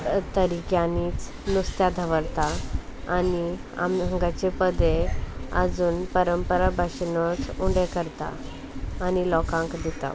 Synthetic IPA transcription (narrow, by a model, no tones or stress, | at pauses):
t̪əɾikjaniːt͡s | nust̪jad̪ʱəʋəɽt̪aː | ni | a̰mɦəŋɡat͡ɕepəd̪ʱeə̰d͡zuːnpəɾəmpəɾabʱaɕnɔt͡suɳɖekəɾt̪a̰ː | nilɔkãŋkd̪it̪a̰